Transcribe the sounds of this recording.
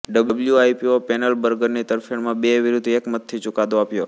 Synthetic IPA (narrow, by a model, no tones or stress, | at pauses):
ɖəbəbljuajpiopɛnəlbəɾɡəɾnit̪əɾfʰeɳmãbeʋiɾud̪ʱekmət̪ʰːit͡ʃʊkad̪oapjo